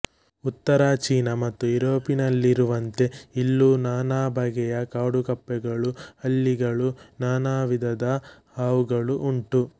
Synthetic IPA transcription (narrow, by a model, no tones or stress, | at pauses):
ut̪ːɐɾaːt͡ʃiːnɐmɐt̪ːuiɾoːpinɐlːiɾuʋɐnt̪e̞ilːunaːnaːbʱɐɡɛjɐkaːɽukɐpːɛɡɐɭuɐlːiɡɐɭunaːnaːʋid̪ʱɐd̪ɐ | haːʋuɡɐɭuʔuɳʈu